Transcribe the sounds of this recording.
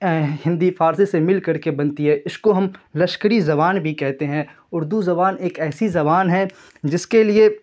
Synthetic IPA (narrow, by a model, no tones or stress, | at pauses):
ɦɪ̃nd̪ifaːɾsisemɪlkɐɾkebɐnt̪iɦɛʔɪskoɦɐmlɐʃkəɾizɐβaːnbʱikɛɦt̪eɦɛ̃ | ʊɾd̪uzɐbaːneːkɛːsizɐbaːnɦɛ̃ | d͡ʒɪskelie